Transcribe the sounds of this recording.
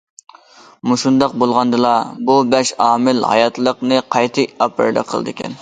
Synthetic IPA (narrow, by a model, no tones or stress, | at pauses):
muʃund̪ɑq̚bolˠʁɑnd̪ɨlˠɑbubɛʃɑːmɪlhɑ̰jɑt̪lˠəqnɨqʰɑjt̪ʰɨɑpɨ̰ɾd̪ɛ̰qʰə̰lˠd̪ɨɪkʲʰɛ̰n